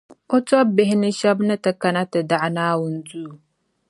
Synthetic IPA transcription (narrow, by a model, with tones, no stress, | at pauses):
ʔɔ˦t͡sɔ˦bɪ˦ɦɪ˦nɪ˦ʃa˦bna˦ta˨ka˨na˦ta˨da˦˨ʔnaː˦wʊ˨n˦d͡zuː˦˨